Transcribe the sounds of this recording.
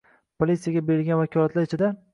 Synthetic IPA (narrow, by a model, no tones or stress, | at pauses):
pʰolʲit̪sijaɡʲabeɾɪlɡʲanvakʲʰɒlˠat̪laɾet͡ʃʰɪd̪a